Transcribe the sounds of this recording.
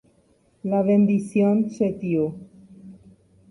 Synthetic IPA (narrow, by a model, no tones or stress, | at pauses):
laβend̪isjonset̪jo